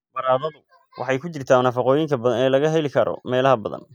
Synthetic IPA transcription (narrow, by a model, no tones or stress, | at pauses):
bɐɾaːðɐðʊ | wʔɑ̰ħɑjkʰʊt͡ʃɪrt̪ʰaːnɐfɑqɔːjɪŋkʰɐbɐðɐnɛːlɐɣɐɦɛlɪkʰɐɾɔ̰mɛːlɐɦɐbɐðɐ̰n